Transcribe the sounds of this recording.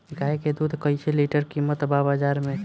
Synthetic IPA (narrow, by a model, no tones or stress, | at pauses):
kaɦeked̪ud̪ʱkəjt͡ʃʰeliʈəɾkimət̪babad͡ʒaɾmẽ